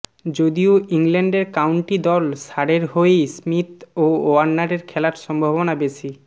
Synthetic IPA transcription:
d͡ʑod̪ioiŋlɛɳɖeɾkawɳʈid̪ɔlʃaɽeɾɦoejsmit̪ooanːaʈeɾkʰɛlaɾʃɔmbʱobonabet͡ɕʰi

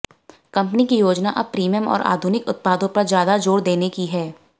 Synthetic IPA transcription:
kɐ̃mpnikijoːd͡ʒnaʔɐbpɾiːmijəmɔ̰ːɾʔa̰ːd̪ʱunɪkʊt̪̚paːd̪õpɐɾzjaːd̪ad͡ʒoːɽd̪eːnekiɦɛː

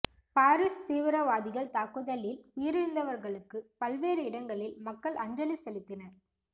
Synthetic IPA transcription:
paːɾist̪iːʋɪɾɐʋaːðɪɣɐɭt̪aːkɯðɐlɪlʊjɪɾɪɾnd̪ɐʋɐɾɣɐɭɯkːɯpɐlʋeːɾɯɪɽɐŋɡɐɭɪlmɐkːɐɭʔɐɲd͡ʒɐlisɛlɪt̪ːɪnɐɾ

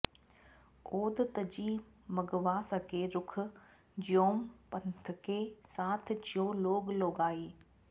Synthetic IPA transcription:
oːd̪t̪əd͡ʑiːmɐɡʋaːsəkeɾʊkʰʊ̆ | d͡ʑioːmpɐnt̪ʰkeːsaːt̪ʰt͡ʃoːloːɡloːɡaːiː

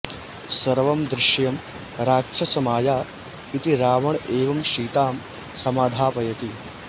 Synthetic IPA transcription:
sɐɾʋɐmd̪ɾɪʃjɐm | ɾaːɐsɐmaːjaː | it̪iɾaːʋɐɳeːʋɐmʃiːt̪aːm | sɐmaːd̪ʱaːpɐjɐt̪i

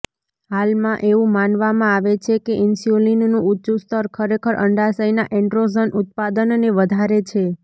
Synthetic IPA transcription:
ɦalmãʔeʋũmanʋamãaʋet͡ʃʰekeʔɪnsjolinnũutːʃust̪ʰəɾkʰəɾekʰəɾʔə̰ɳɖasəjnaʔɛ̃ɳɖɾozənʔut̪̚pad̪ənneʋəd̪ʱaɾet͡ʃʰe

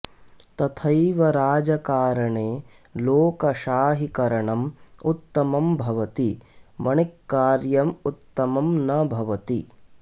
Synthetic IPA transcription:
t̪ɐt̪ʰɐjʋɐɾaːd͡ʒɐkaːɾɐɳeː | loːkɐʃaːɦikɐɾɐɳɐmut̪ːɐmɐmbʱɐʋɐt̪imɐɳikːaːɾjɐmut̪ːɐmɐmnɐbʱɐʋɐt̪i

